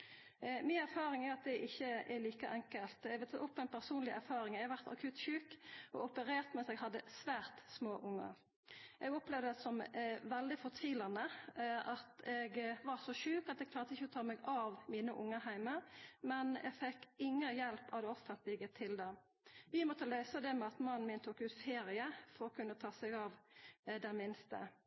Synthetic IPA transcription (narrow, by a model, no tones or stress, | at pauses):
mɪnæɾfɑːɾɪŋæɾɑt̪̚d̪ɛʔɪçːəɛɾliːkəʔɛŋkəlt̪ɛɡʋɛt̪ʰɑt̪ːʊpːɔɛɪnpʰæʁsuːnlɪʔæɾfɑːɾɪŋɛhɑʋæʁt̪ɑ̰kʰʉt̪ʃʉːkɔɔpəɾeːʁt̪mɛsɛːɡɦɑd̪ːəsʋæːʁt̪smoːʔʊŋːə̰ | ʔɛɡɔplɛʋd̪əsɔmʋɛld̪ɪfɔʁt̪ʰʋiːlɑnəʔɑt̪ɛɡʋɑɾsɔʃʉːkɑt̪d̪ɛɡ̚k̪ʰlɑːʁt̪əɪçːəɔt̪ʰɑːmɛɡɑʋmiːnəʔʊŋːəhæɪməɾmɛnɛ̰ɡfɛkːɪŋːəjɛlpɑʋd̪ɛɔfənt̪lɪɡət̪ʰɪld̪ɛ | ʋɪmɔt̪ːəlœʏsəd̪ɛmɛɑt̪mɑnːn̩mɪːnt̪ʰuːkʉːt̪feːɾɪəfɔɾɔkʰʉnːət̪ʰɑːsɛɡɑʋd̪ɛnmɪnst̪ə̰